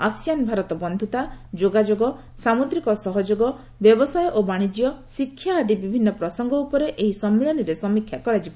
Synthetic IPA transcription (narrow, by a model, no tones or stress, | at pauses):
asjanbʱaɾɔt̪ɔbɔnd̪ʱut̪ad͡ʒoɡad͡ʒoɡɔ | samud̪ɾikɔsɔɦɔd͡ʒoɡɔ | bjɔbɔsajɔʔobaɽ̃id͡ʒijɔsikʰːjaːd̪ibibʱinːɔpɾɔsɔŋɡɔupɔɾeʔeɦisɔmːeɭɔniɾesɔmikʰːjakɔɾad͡ʒibɔ